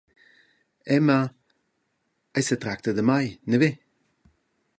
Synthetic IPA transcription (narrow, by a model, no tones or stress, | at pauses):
ɛma | ajsətɾak̚t̪ədəmajnəve